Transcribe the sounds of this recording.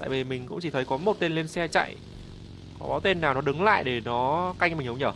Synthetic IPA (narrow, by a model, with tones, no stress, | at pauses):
t̪a̰ː˧˨vi˨˩mï˨˩ŋ̟kʊ̰˧˥ŋ͡mt͡ɕi˧˩ə˨˦jkɔ˨˦mo˨˩t̚t̪e˧nle˧nsɛ˧t͡ɕa̰˧˨j | kɔ˨˦ɓaː˨˦wt̪e˧nːaː˨˩wnɔ˨˦ɗɨ˨˦ŋla̰ː˧˨jɗe˧˩nɔ˨˦ka˧jŋ̟mï˨˩ŋ̟hə˨˦ŋ͡mɲəː˧˩